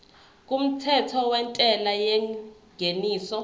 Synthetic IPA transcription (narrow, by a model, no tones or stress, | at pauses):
k̬ʼum̩tʰɛtʰɔwɛntʼɛlajɛŋɡʱeniːsɔ